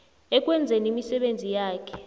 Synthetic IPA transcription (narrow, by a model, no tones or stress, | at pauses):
ɛk̬wɛnd͡zʱɛnimisɛɓend͡zʱijaːkʰɛ̥